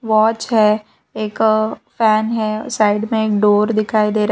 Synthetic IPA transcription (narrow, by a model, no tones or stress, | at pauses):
ʋaːt͡ʃɦɛ | eːkfɛːnɦɛsaːɪɖmẽeːk̚ɖoːɾd̪ɪkʰaːid̪eːɾa